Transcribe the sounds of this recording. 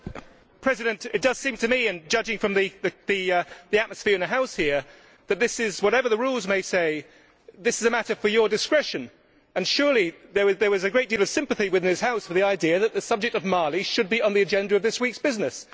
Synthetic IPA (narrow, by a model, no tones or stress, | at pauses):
pʰɹ̥ɛzɨɾɨ̃ntɪt̚d̥ʌz̥sĩmtʰɨmiɨ̃nd͡ʒʌd͡ʒɪ̃ŋfɹʌ̃mðiðɨðiðiæt̚məsfɪɹɨ̃nðɨɦaʊshiəɹ | ðɨt̪̚ðɪsɪzwʌɾɛvə˞ðəɹulˠzmeɪseɪ | ðɪsɨzɨmæɾə˞fə˞jədɨskɹɛʃɨ̃n | ɨ̃nʃʊːlˠiðə˞ðə˞ɨzɨɡɹeɪt̚d̥iːlˠʌv̥sɪ̃mpɨθiwɨðɪ̃nɨz̥haʊsfə˞ðiaɪdiɨðɨt̪̚ðɨsʌb̚d͡ʒɪk̚tʌvmɑɹlˠiʃɨd̚biə̃nðiɨd͡ʒɛ̃ndə˞ʌvðɪswiˑksb̥ɪznɨs